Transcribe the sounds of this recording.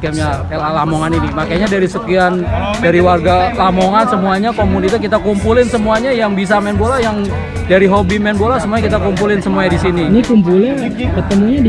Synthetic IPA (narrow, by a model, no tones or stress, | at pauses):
kɛmja | lalamoŋaninimakajɲadaɾisəkiandaɾiwarɡalamoŋansəmuaɲakomunit̪akit̪akumpulɪnsəmuaɲajaŋbis̬amɛnbolajaŋ | daɾiɦobimɛnbolasəmuaɲakit̪akumpulɪnsəmuaɲadisininikump̬ulɪn | kət̪əmuɲa